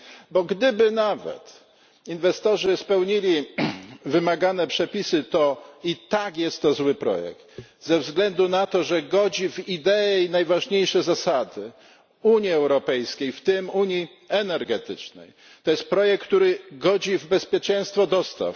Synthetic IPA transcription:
bɔɡd̪ɘbɘnavɛ̰t̪ | invɛst̪ɔʐɘspɛwɲilʲi | vɘmaɡanɛpʂɛpʲisɘt̪ɔit̪akjɛst̪ːɔzwɘpɾɔ̰jɛ̰kt̪zɛvzɡlɛnd̪unat̪ɔʐɛɡɔd͡ʑivid̪ɛɛjnajvaʐɲejʂɛzasad̪ɘ | uɲiɛwɾɔpɛjskʲejft̪ɘmuɲi | ɛnɛɾɡɛt̪ɘt͡ʂnɛ̰j | t̪ɔjɛst̪̚pɾɔjɛk̚kːt̪uɾɘɡɔd͡ʑivbɛspʲjɛt͡ʂɛ̃j̃st̪fɔd̪ɔst̪a̰f

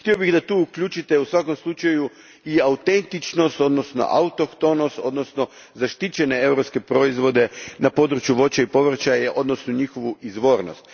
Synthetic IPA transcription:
xt̪io̞biɣd̪at̪uːukʎʲut͡ʃit̪e̞usʋako̞mslˠut͡ʃaju | iaut̪e̞nt̪it͡ʃno̞st̪o̞d̪nosno̞̰ʔa̰ut̪okt̪o̞no̞st̪o̞̰d̪no̞sno̞ | zaʃt̪it͡ɕe̞nee̞wɾopske̞pɾo̞izʋo̞d̪e̞napo̞d̪ɾut͡ʃjuʋo̞t͡ɕaipo̞ʋr̩t͡ʃajeʔo̞d̪nosnoɲixo̞ʋuizʋo̞ɾno̞̰st̪

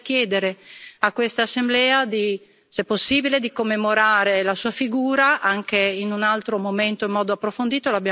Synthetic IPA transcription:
kjɛːd̪eɾeakwest̪aːsːemblɛːad̪i | sɛpːosːiːbiled̪ikomːemoɾaːɾelasuːafiɡuːɾaʔaŋkeinunalt̪ɾomoment̪oimːɔːd̪oapːɾofond̪iːt̪olabja

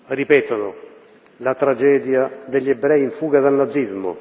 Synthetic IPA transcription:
ripɛːt̪anʊ | lat̪ɾad͡ʒɛːd̪jad̪eʎːɛbɾɛjiɱfuːɡad̪alnad̪zːizmʊ̰

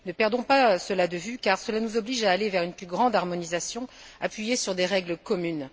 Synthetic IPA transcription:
nəpɛʁd̪ɔ̃pasəlad̪əvykaʁsəlanuzɔbliʒaːlevɛʁynplyɡʁɑ̃d̪aʁmɔnizasjɔ̃apɥijesyʁd̪eʁɛɡləkɔmyn

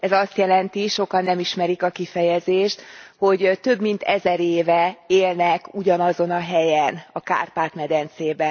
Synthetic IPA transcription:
ɛzɒst̪jɛlɛnt̪iʃo̞kɒnːɛmiʃmɛɾikɒkifɛjɛzeːʃt̪ho̞ɟt̪ø̞bmint̪ɛzɛɾeːvɛeːlnɛkuɟɒnɒzo̞nɒɦɛjɛnɒka̰ːrpaːt̪mɛd̪ɛnt̪seːbɛ

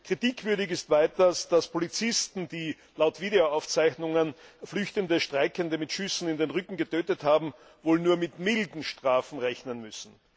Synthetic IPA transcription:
kʁ̥itiːkv̥ʏɐdɪçɪstv̥æɪtɐsd̥aspʰolit͡sɪstn̩d̥iː | laʊtv̥iːdeoaʊft͡sæɪçnʊŋənflʏçtəndəʃtʁ̥aɪkəndəmɪtʃʏsn̩ɪndenʁʏkŋ̩ɡətʰøːtəthaːbm̩ | voːlnuːɐmɪtmɪldn̩ʃtʁ̥aːfn̩ʁɛçnənmʏsn̩

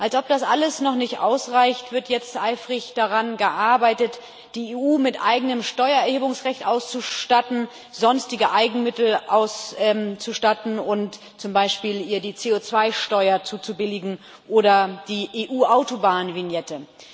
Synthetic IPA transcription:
ʔalsʔɔp̚d̥asʔaləsnɔχnɪçtʔa̰ʊsʁaɪçtv̥ɪɐtjɛt͡stʔaɪfʁ̥ɪçd̥aʁanɡəʔaɐbaɪtət | d̥iːeːʔuːmɪtʔa̰ɪɡənəmʃtɔʏɐɛɐheːbʊŋsʁɛçtʔaʊst͡suʃtatn̩ | z̥ɔnstɪɡəʔaɪɡŋ̩mɪtl̩ʔaʊsʔɛmt͡suʃtatn̩ʊnt | t͡sʊmbaɪʃpiːliːɐdiːt͡seːot͡sv̥aɪʃtɔʏɐt͡suːt͡subɪlɪɡŋ̩ | ʔoːɾɐd̥iːʔeːʔuːʔaʊtobaːnənvinjɛtə

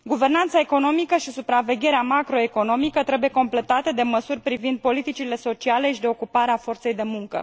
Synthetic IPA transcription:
ɡuve̞rnant̪saeko̞no̞mikəʃisupɾave̞ɡʲe̞ɾeamakɾo̞e̞ko̞no̞mikət̪ɾe̞buje̞ko̞mple̞t̪at̪e̞d̪e̞məsurʲpɾivind̪̚po̞lit̪it͡ʃile̞so̞t͡ʃiale̞ʃid̪e̞o̞kupaɾeafo̞rt̪sejd̪e̞muŋkə̰

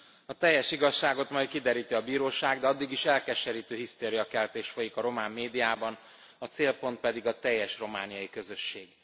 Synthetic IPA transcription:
ɒt̪ɛjːɛʃiɡɒʃːaːɡo̞t̪mɒj̪kid̪ɛɾiːt̪iɒbiːɾoːʃaːɡd̪ɛɒd̪ːiɡiʃɛlkɛʃɛɾiːt̪øːɦist̪eːɾijɒkɛlt̪eːʃfo̞jikɒɾo̞maːmːeːd̪ijaːbɒn | ɒt̪seːlpo̞nt̪̚pɛd̪iɡɒt̪ɛjːɛʃro̞maːnijɒjikø̞zø̞ʃːeːɡ

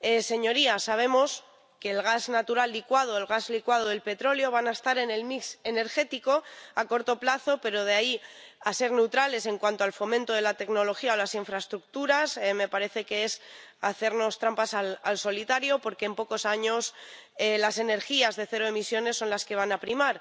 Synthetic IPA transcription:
ese̞ɲo̞ɾiasaβ̞e̞mo̞s | ke̞ːlɣ̞aznat̪uɾald̪ikwað̞oelɣazlikwað̞oelpe̞t̪ɾo̞ljo̞βanaest̪aɾe̞ne̞lmikse̞ne̞ɾxe̞t̪iko̞ako̞ɾt̪o̞plaθo̞pe̞ɾo̞ð̞e̞aiase̞ɾne̞wt̪ɾale̞se̞ŋkwant̪oalfo̞mẽnt̪o̞ð̞e̞lat̪e̞kno̞lo̞xiaolasiɱfɾaest̪ɾuk̚t̪uɾasme̞paɾe̞θe̞ke̞esaθe̞ɾno̞st̪ɾampasalalso̞lit̪aɾjo̞po̞ɾkeːmpo̞ko̞saɲo̞selase̞ne̞ɾxiazðe̞θe̞ɾoe̞misjo̞ne̞sːo̞nlaske̞β̞anapɾimaɾ

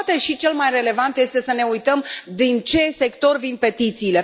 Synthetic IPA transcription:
t̪eʃit͡ʃe̞lmajre̞le̞vant̪je̞st̪e̞səne̞ujt̪əmd̪int͡ʃe̞se̞kt̪o̞rvin̚pe̞t̪it̪siːle̞

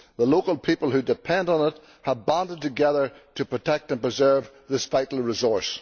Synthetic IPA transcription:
ðəlokəlˠpʰipəl̩ˠhʉdɨpʰɛ̃ndn̩ɪt̚ | həvbãndəd̚tʰɨɡɛðə˞tʰəpʰɹ̥ɨtʰɛk̚tə̃npɹ̥ɨzɜ˞v | ðɪsfaɪʔl̩ˠɹɪzɔɹs

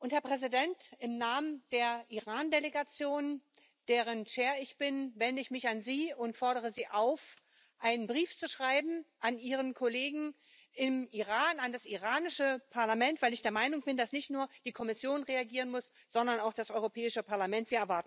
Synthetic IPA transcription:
ʔʊnthɛɐpʁ̥ɛzidɛntɪmnaːmənd̥eːɐʔiʁaːndeleɡat͡sjoːn | d̥eːʁ̞ənʃeːɐɪçb̥ɪnvɛndəɪçmɪçanziːʊntfɔɐɾəʁ̞əziːʔaʊf | ʔaɪnənbʁiːft͡suʃʁ̥aɪbm̩ʔanʔiːʁ̞ənkʰoleːɡŋ̩ | ʔɪmʔiʁaːnandasʔiʁaːnɪʃəpʰaɐlamɛntv̥aɪlɪçd̥eːɐmaɪnʊŋb̥ɪndasnɪçtnuːɐd̥iːkʰɔmɪsjoːnʁeaɡiːʁənmʊs | z̥ɔndɐnaʊxd̥asʔɔʏʁopʰɛːɪʃəpʰaɐlamɛntv̥iːɐɛɐvaɐtn̩

